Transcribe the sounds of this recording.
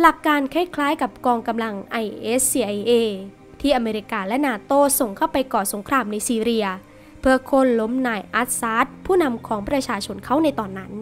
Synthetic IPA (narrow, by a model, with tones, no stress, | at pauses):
la˨˩kːaː˧nkʰa˥˩jkʰlaː˦˥jka˨˩p̚kɔː˧ŋka˧mla˧ŋʔa˧jʔeː˦˥s̚ːiː˧ʔa˧jʔeː˧ | t̪ʰiː˥˩ʔa˧meː˧ɾi˧˩kaː˧lɛ˦˥naː˧t̪oː˥˩so˨˩ŋkʰa˦˥˩wpa˧jkɔː˨˩so˩˦ŋkʰɾaː˧mna˧jsiː˧ɾi˧ɐ | pʰɯ˧ɐkʰo˧˥˩nlo˦˥mnaː˧˩jʔa˦˥t̪̚saː˦˥t̪̚pʰuː˥˩na˧mkʰɔː˩˦ŋpɾa˧t͡ɕʰaː˧t͡ɕʰo˧nkʰa˦˥wna˧jt̪ɔː˨˩nːa˦˥n